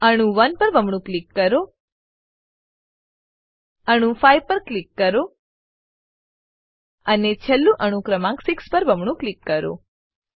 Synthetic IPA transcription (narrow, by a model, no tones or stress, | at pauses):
əɽ̃ũʋənpəɾbʱəmɳ̃ũklikːəɾo | əɽ̃ũfaiʋpəɾklikːəɾo | ənet͡ʃʰəlːũʔəɽ̃ũkɾəmãksikspəɾbʱəmɳ̃ũklikːəɾo̰